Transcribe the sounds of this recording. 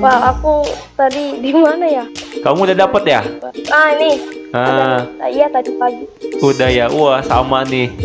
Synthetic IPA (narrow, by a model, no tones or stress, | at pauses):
paaku | t̪adidimanajakamuudahdapət̪̚jaənɪhəaijat̪adipaɡi | kudahjauahsamanɪh